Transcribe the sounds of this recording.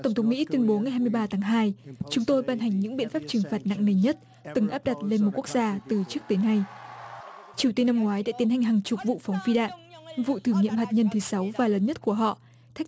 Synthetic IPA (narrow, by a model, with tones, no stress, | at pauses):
t̪ə˧˩wŋ͡mt̪ʰə˨˦wŋ͡mmḭ˧˥t̪wi˧ənɓo˨˦ŋa˨˩jhaː˧m˧əjɓaː˧t̪ʰaː˨˦ŋɦaː˧jt͡ɕʊ˨˦ŋ͡mt̪o˧jɓaː˧nɦa˨˩ŋ̟ɲɨ̰˧˥ŋɓḭ˧˨nfaː˦˥p̚t͡ɕɨ˨˩ŋfaː˨˩t̚na̰˧˨ŋne˧˩ɲə˦˥t̚ | t̪ɨ˨˩ŋʔaː˦˥p̚ɗa˨˩t̚le˧nmo˨˩ku˦˥ək̚zaː˧t̪ɨ˨˩t͡ɕɨ˦˥ək̚t̪oː˨˦na˧j | t͡ɕi˨˩t̪i˧nːa˧mŋwaː˨˦jɗa̰ː˧˥t̪i˨˦nha˨˩jŋ̟ɦaː˨˩ŋt͡ɕʊ˨˩k͡p̚vṵ˧˨fa˨˦wŋ͡mfi˧ɗa̰ː˧˨nvṵ˧˨t̪ʰɨ˧˩ŋɲḭ˧˨əmɦaː˨˩t̚ɲə˧nt̪ʰɨ˨˦sa˨˦wvaː˨˩ləː˨˦nɲə˦˥t̚ku˧˩əɦɔ̰˧˨ | t̪ʰa˦˥k̚